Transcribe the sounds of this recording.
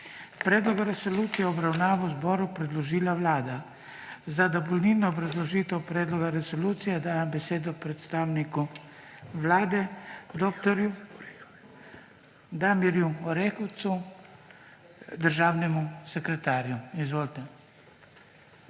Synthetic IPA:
pɾɛːd̪lɔɡaɾɛsɔluːt̪sijɛɔbɾawnaːʋɔwzbɔːɾupɾɛd̪lɔʒiːlaʋlaːd̪a | zad̪abɔlniːnɔːbɾazlɔʒiːt̪ɛwpɾɛːd̪lɔɡaɾɛsɔluːt̪sijɛd̪aːjambɛseːd̪ɔpɾɛt̪st̪aːwniku | ʋlaːd̪ɛd̪oːkt̪ɔɾju | d̪amiɾjuɔɾexɔwt̪su | d̪əɾʒaːwnɛmusɛkɾɛt̪aːɾjuizʋoːlt̪ɛ

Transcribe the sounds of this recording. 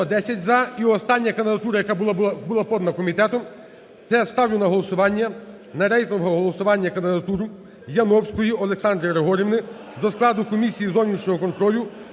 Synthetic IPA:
ɐd̪ɛsʲɐtʲzɐiɔst̪ɑnʲːɐkɐnd̪ɪd̪ɐt̪uɾɐjɐkab̪ˠbulˠapɔd̪nɐkɔmʲit̪ɛt̪ɔm | t̪sɛst̪ɑwjʊnɐɦɔlˠɔsʊʋɑnʲːɐ | nɐɾɛj̪lˠɔɦɔɦɔlˠɔsʊʋɑnʲːɐkɐnd̪ɪd̪ɐt̪uɾʊ | jɐnɔwsʲkɔjiɔlˠeksɑnd̪ɾɪɾeɦɔɾʲiʋnɪ | zɔsklˠɑd̪ʊkɔmʲisʲijizɔwnʲiʃnʲɔɦɔkɔnk̪ɾɔlʲʊ

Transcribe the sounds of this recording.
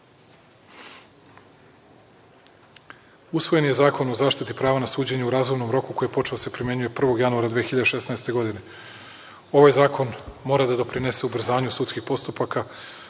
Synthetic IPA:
usʋo̞je̞nje̞zaːko̞no̞zaːʃt̪it̪ipɾaːʋanasuːd͡ʑe̞ɲuuɾaːzumno̞mɾo̞kuko̞jepo̞t͡ʃe̞ose̞pɾimje̞ɲuje̞pr̩ʋo̞ɡjanuaɾad̪ʋiexiʎad̪e̞ʃe̞snaest̪e̞ɡo̞d̪ine̞ | o̞ʋajzaːkʰo̞nmo̞ːɾad̪ad̪o̞pɾine̞se̞ubr̩zaːɲusut̪skixpo̞st̪upaka

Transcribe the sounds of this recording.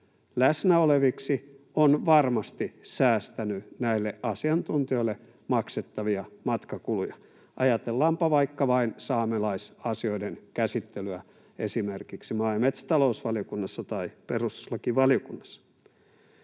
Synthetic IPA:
læsnæoleʋiksi | onʋɑrmɑst̪isæːst̪ænynæilːeʔʔɑsiɑnt̪unt̪io̞ilːe | mɑkset̪ːɑʋiɑmɑt̪kɑkulujɑ | ʔɑjɑt̪elːɑːmpɑʋɑikːɑʋɑinsɑːmelɑisɑsioidenkæsit̪ːelyæ | esimerkiksimɑimet̪sæ̥t̪ɑlousʋɑlijokunːɑsːɑt̪ɑiperust̪lɑkiʋɑliokunːɑ̥sːɑ̥

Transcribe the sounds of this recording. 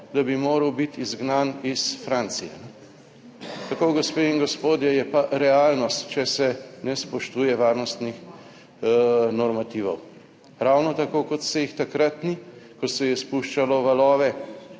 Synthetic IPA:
d̪abimoːɾəwbit̪izɡnanisfɾant̪sijɛ̰nɛ | t̪akoɡospeinɡɔspoːd̪jɛjɛpaɾɛaːlnɔst̪t͡ʃɛsɛnɛspɔʃt̪uːjɛʋaːɾnɔst̪nix | nɔɾmat̪iːʋɔ̰w | ɾawnɔt̪akokɔt̪sɛjixt̪akɾat̪nikɔsɛjɛspuʃt͡ʃalɔʋalɔːʋɛ

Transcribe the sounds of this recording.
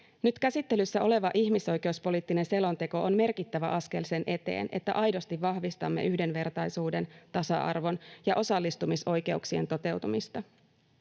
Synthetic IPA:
nyt̪kæsit̪ːe̞lysːæʔo̞le̞ʋɑʔiçmiso̞jke̞ouspo̞liːt̪ːine̞nse̞lo̞nt̪e̞ko̞ʔonme̞rkit̪ːæʋæʔɑske̞lse̞nʔe̞t̪e̞̰ːne̞̰t̪ːæ̰ʔɑjdo̞st̪iʋːɑhʋist̪ɑ̰mːeʔyhde̞nʋe̞rt̪ɑjsuːde̞nt̪ɑsɑ̰ʔɑ̰rʋo̞njɑʔo̞sɑlːist̪umiso̞jke̞uksient̪o̞t̪e̞wt̪umist̪ɑ

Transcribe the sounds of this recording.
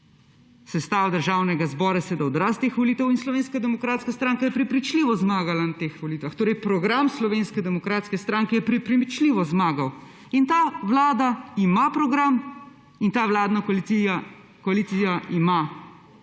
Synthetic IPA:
sɛst̪aːwd̪əɾʒaːwnɛɡazbɔːɾasɛd̪aɔd̪ɾast̪eːxʋɔliːt̪ɛwinslɔʋeːnskad̪ɛmɔkɾaːt̪skast̪ɾaːŋkajɛpɾɛpɾit͡ʃliːʋɔzmaːɡalanat̪eːxʋɔliːt̪ʋaxt̪oːɾɛjpɾɔɡɾamslɔʋeːnskɛd̪ɛmɔkɾaːt̪skɛst̪ɾaŋkɛjɛpɾipɾimit͡ʃliːʋɔzmaːɡaw | int̪aʋlaːd̪aimapɾɔɡɾam | int̪aːʋlaːd̪nakla | kɔaliːt̪sijaʔima

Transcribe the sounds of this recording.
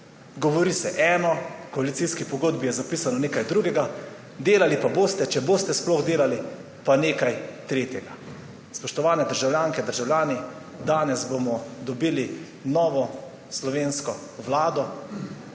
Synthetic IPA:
ɡɔʋɔɾiːsɛʔɛːnɔkɔalit̪iskipɔɡoːd̪bijɛzapiːsanɔneːkajd̪ɾuɡɛɡa | d̪eːlalipaboːst̪ɛt͡ʃɛboːst̪ɛsplɔɣd̪eːlali | paneːkajt̪ɾeːt̪jɛɡa | spɔʃt̪ɔʋaːnɛd̪əɾʒawljaːŋkɛd̪əɾʒawljaːni | d̪aːnɛzbomɔd̪ɔbiːli | nɔːʋɔ | slɔʋeːnskɔ | ʋlaːd̪ɔ

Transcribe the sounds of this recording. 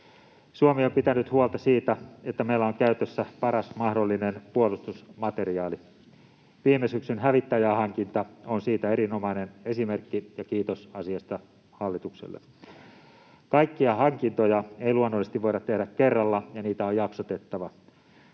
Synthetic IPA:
suomiompit̪ænyt̪huolt̪ɑsiːt̪æet̪ːæmeilːæoŋkæyt̪øsːæpɑɾɑsmɑhdolːinenpuolust̪usmɑt̪e̞riɑːli | ʋiːmesyksynɦæʋit̪ːæjæhɑŋkint̪ɑonsiːt̪æeɾino̞mɑinene̞sime̞rkːijɑkiːt̪osɑsiɑst̪ɑ | hɑlːit̪uksḛlːḛ | kɑikːiɑhɑŋkint̪ojɑeiluonːosest̪iʋʋoiɾɑt̪t̪ːehdækkːerːɑlːɑjɑniːt̪æojɑksot̪et̪ːɑʋɑ

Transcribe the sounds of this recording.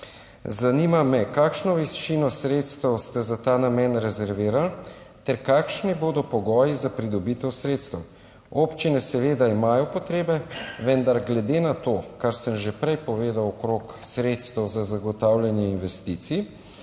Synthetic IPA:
zanimamɛkaːkʃnɔʋɛst͡ʃinɔsɾet̪st̪ɛwst̪ɛzat̪aːnamɛnɾɛzɛɾʋeːɾal | t̪ɛɾkaːkʃniboːd̪ɔpɔɡɔːjizapɾid̪ɔbit̪ɛwsɾeːt̪st̪ɛw | opt͡ʃinɛsɛʋeːd̪aimaːjɔpɔt̪ɾeːbɛʋɛnd̪aɾɡlɛd̪eːnat̪oːkaɾsəmʒɛpɾɛjpɔʋeːd̪awɔkɾoːksɾeːt̪st̪ɛwzazaɡɔt̪awljanjɛinʋɛst̪iːt̪si

